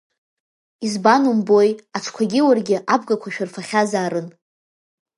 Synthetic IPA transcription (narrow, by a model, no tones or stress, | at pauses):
izbanumbo̞jaʈ͡ʂʰkʷʰaɡʲɪwarɡʲɪʔab̚ɡakʷʰaʃᶣʊrfaχʲazaːɾɨn